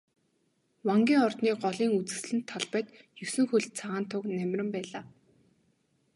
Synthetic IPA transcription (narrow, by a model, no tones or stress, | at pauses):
waŋɡʲiːŋɔrt̪niːɢɔɮiːŋut͡sɘ̆sɮɘ̆nt̪ʰːɔɮpœːt̪jɵsɘ̆ŋxuɮt̪̚t͡sʰaʁaːnt̪ʰʊknæmʲrʲɪ̆mpæːɮaː